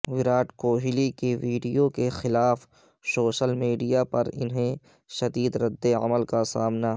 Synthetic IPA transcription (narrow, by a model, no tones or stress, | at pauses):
wɪɾaːʈkoːɦɪlikeʋiːɖijokexɪlaːf | soːʃəlmiːɖijapɐɾɪ̰nɦẽ | ʃɐd̪iːd̪ɾɐd̪ːeɐ̰məlkasaːmna